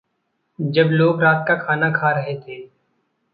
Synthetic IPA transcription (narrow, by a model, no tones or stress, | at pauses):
d͡ʒɐbloːɡɾaːt̪̚kakʰaːnakʰaɾɐɦet̪ʰeː